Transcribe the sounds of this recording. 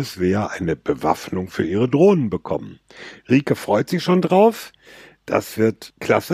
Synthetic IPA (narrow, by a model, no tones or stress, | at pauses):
əsz̥eːɐʔaɪnəbəva̰fnʊŋfyːɐʔiːʁədʁoːnənbəkʰɔ̰mən | ʁiːkəfʁ̥ɔʏtz̥ɪçʃoːndʁaʊf | d̥a̰sv̥ɪɐtkl̥asə